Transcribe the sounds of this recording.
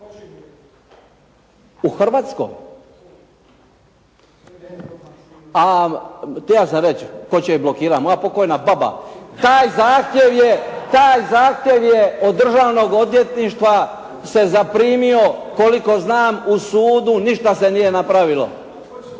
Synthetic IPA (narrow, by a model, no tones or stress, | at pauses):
uxr̩ʋaːt̪sko̰j | a | t̪ijaːsamɾet͡ʃkot͡ɕeiblokiːɾamojapo̞ko̞jnababa̰t̪aːjzaːxt̪je̞ʋjet̪aːjzaːxt̪ʲje̞ʋjeod̪ːr̩ʒaːʋno̞ɡo̞d̪je̞t̪niʃt̪ʋa | se̞zapɾiːmio̞ko̞liko̞znaːmusuːd̪uniʃt̪ase̞nije̞napɾaʋilo̞̰